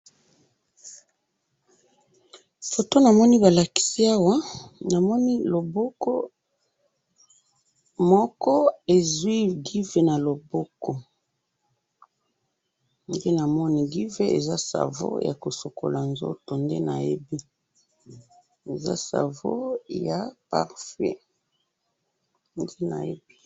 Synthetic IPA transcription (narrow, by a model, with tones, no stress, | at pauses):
fo˨to˦na˨mɔ˦ni˦ba˨la˨ki̥˨si˦a˦wa˦na˨mɔ˦ni˦lo˨bo˦ko˦ | mɔ˦kɔ˦e˨zwi˦ɡi˦ve˨na˨lo˨bo˦kɔ˦ | nde˦na˨mɔ˦ni˦ɡi˦ve˦ḛ˨za˦sa̰˨vo̰˦ja̰˨ko˨so˨ko̰˨la˨nzo̰˦to˨nde˦na̰˨jḛ˦bi˦ | e˨za̰˦sa̰˨vo˦ja˨pa̰˨ʁfɛ̰˦ | nde˦na̰˨jḛ˦bi˦